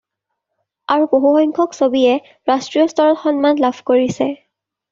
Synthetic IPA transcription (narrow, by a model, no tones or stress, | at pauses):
aɹuboɦuxɔjŋkʰɔksobiɛ | ɹastɹijɔstɔɹɔtxɔnmanlabʱkoɹisɛ